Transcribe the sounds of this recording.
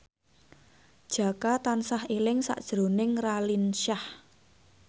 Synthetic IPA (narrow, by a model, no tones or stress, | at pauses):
d̥ʒ̥a̤kat̪ansahelɪŋsa̰ʔd̥ʒ̥ɾo̤nɪŋralinʃah